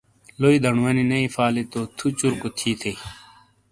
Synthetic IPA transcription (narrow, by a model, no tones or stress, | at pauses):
loid̪ʱɐɳwɐninɐifaːlet̪ot̪ʰut͡ɕuɾkot̪ʰiːt̪ʰe